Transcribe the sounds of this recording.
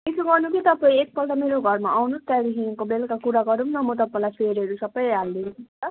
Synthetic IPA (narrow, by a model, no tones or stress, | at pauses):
isuɡʌrnukit̪ʌpãĩek̚pʌlʈameɾoɡʱʌrmaʔawnust̪aɾiɦinkobelkakuɾaɡʌɾumnʌmʌt̪̬ʌpaĩlajpʰeɾʌɾusʌbʌjald̪insʰut̪ʌ